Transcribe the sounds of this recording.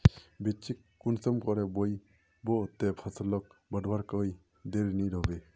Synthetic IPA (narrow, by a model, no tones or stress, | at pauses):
bet͡ʃikːunsɔmkɔɾɛbɔj | bɔt̪ɛpʰasɔlɔk̚bəɖbaɾkɔj | d̪eɾniɾɔbe